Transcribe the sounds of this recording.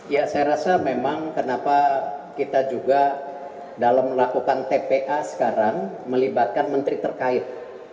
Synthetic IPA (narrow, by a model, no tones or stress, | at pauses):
jasajaɾasamemaŋkənapakit̪ad͡ʒuɡa | dalamlakukant̪epeʔasə̥kaɾaŋ | məlibat̪̚kanmənt̪ɾit̪ərkaɪt̪̚